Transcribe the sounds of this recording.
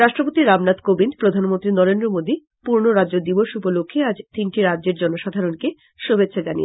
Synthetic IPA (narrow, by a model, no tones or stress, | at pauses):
ɾaʃʈɾopot̪iɾamnat̪kobind̪pɾod̪ʱanmont̪ɾinɔɾend̪ɾomod̪i | puɾnoɾadd͡ʑod̪iboʃupolokʰːead͡ʑt̪inʈiɾadːʑeɾd͡ʑɔnoʃad̪ʱaɾonke | ʃobʱet̪ːɕʰad͡ʑanḭḛ